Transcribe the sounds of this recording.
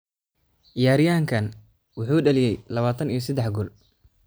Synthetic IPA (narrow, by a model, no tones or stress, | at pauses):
ʔɪjaːɾɪjaːŋkʰɐn | wʊħuːɖɐlɪjɛjlɐβaːt̪ʰɐnijɔsɐd̪ɛħɡʊl